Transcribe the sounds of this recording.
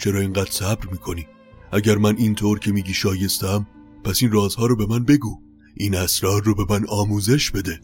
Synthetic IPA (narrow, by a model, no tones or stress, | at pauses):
t͡ʃʰe̞ɾɒːeŋɢæːd̪̥sæbɾmiːkʰo̞niː | ʔæɟæɾmænint̪ʰoːɾcʰe̞miːɟiːʃɒːje̞st̪æm | pʰæsinrɒːzhɒːɾɔːbe̞mænbe̞ɡuː | ʔiːnæsɾɒːɾːobe̞mænɒːmuːze̞ʃbe̞d̪e̞